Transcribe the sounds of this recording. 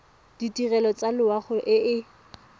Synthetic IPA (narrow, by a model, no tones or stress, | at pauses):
d̥itirɛlɔt͡sʼalɪwaχʊʔɪɪ